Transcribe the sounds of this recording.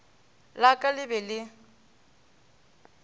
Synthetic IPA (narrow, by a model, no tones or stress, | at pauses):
lakʼalɪbɛlɪ